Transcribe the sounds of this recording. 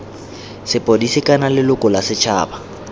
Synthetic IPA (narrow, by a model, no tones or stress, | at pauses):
sɪpʼodisikʼanalɪlʊkʼɔlasɪt͡ʃʰa̰ːba